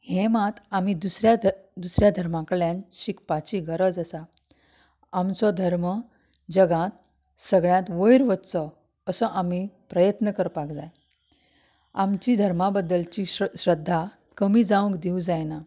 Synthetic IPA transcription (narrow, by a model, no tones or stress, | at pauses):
hɛ̃mãt̪amid̪usɾjad̪usɾjad̪ʱəɾmãkəɭjãnɕikpat͡ɕiːɡəɾəd͡zəsa | amt͡sɔd̪ʱəɾmə | d͡ʑəɡãt̪̚ | səɡɭjãt̪ʋəjɾʋət̪t͡sɔ | əsɔʔamipɾəjət̪nəkəɾpakd͡zaj | amt͡ɕiːd̪ʱəɾmabəd̪ːəlt͡ɕiɕɾəd̪ʱːa | kəmiːd͡zaʋə̃kd̪iũd͡zajna